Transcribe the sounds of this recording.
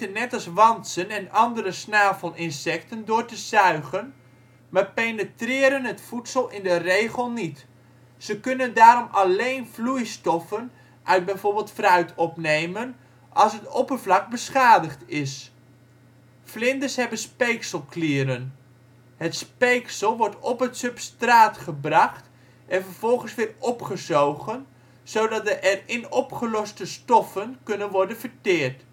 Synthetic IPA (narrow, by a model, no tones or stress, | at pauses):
ənːɛtɑlˠsʋɑntsənɛnɑndəɾəsnaːfəlˠɪnsɛk̚təndʊːrtəzœɥɣən | maːɹpenətrɪːɾənɦətfutsəlˠɪndərejχəlˠnit | səkønəndaːɾɔmɑlejnvlujstɔfən | ʔœɥd̚bɛjvoːrbɪːlˠtfrœɥtʰɔpnejmən | ʔɑlˠsɦətopərvlɑk̚bəsχaːdəχtɪs | flɪndəsɦɛbənspejksəlˠkliːɾən | hətspejksəlˠʋɔɹtɔpətsɵpstraːtχəbrɑχt | ʔɛnfərv̥ɔlˠχənsʋɪːrɔpχəzowɣən | sowdɑt̚dəʔɛrɪnɔpχəlɔstəstɔfənkɵnənʋɔɹdənvəɹtɪːɹt